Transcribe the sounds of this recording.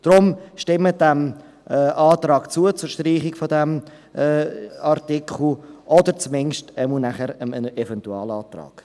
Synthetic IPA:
d̥ɾʊmʃtɪmədɛm | ʔɛʔɑːtrɑːɡt͡suət͡sʊɾʃtriːχɪkfodɛm | ʔɛɑrtɪkχl̩ʔɔdəɾt͡smɪnʃtɛmunæχəɾəənɛvɛntuɑ̰ːlɑːt̪rɑ̰ːɡ̥

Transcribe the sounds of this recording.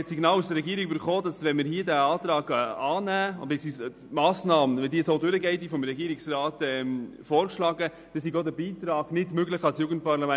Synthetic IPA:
siɡnɑːlusd̪əɾːɛɡiəɾiɡybəɾχoːdɑsvɛnmɪɾɦiədæɑːt̪ɾɑːɡɑːnæːʊ̰ndɪsi | mɑːsnɑːməvɛndiːsoːdøɾəɡɛɪt̚d̥ifɔmɾɛɡiːɾɪksɾɑːtɛmfɔːɾkʃlɑːɡə | d̥ɛsiɡodæbiːt̪ɾɑːɡ̥nɪdmøɡləχɑlsjuːɡən̩t̚pɑɾlɑmæ

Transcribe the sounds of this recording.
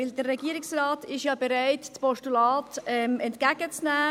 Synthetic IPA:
ɪldərːɛɡiːɾɪksrɑːtɪʃjɑːbeɾaɪtt͡spɔʃtulɑːtɛmɛntkæɡ̥ət͡snæː

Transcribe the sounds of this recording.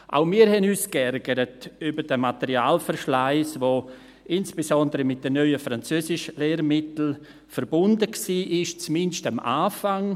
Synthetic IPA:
ʔa̰ʊmiːəɾhɛnyːskɛɾɡəɾətybəɾd̥əmatɛɾiaːlfəɾʃlaɪsʋo | ʔɪnsb̥esɔndəɾəmɪt̚d̥ənœʏəfɾant͡søːsɪʃəleːɾmɪtl̩ | fəɾbʊndəksiːʔɪʃt͡smɪnʃtamʔa̰ːfaŋ

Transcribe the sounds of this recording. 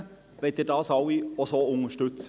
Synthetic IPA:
vɛt̚edɑːsɑwiosoʊŋəʃtʏt͡sə

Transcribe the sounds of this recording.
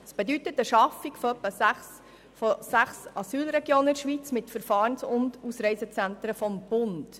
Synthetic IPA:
əsb̥edytətəʃɑfiɡfɔœpːəs | fosæχsɑsyːlɾɛɡjoːnɪʃʋiːt͡smɪtfəɾfɑːɾnsʊnduːsɾɛɪsət͡sæntɾəfɔmb̥ʊnd̥

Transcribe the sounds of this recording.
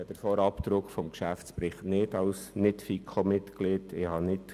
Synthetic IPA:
ɑd̥̪əɾfoːɾɑpt̪ɾʊkfɔmkʃæft͡spɾɪχtnɪdɑʊsnɪtfikʰχomɪtklɪtɪhɑnɪt

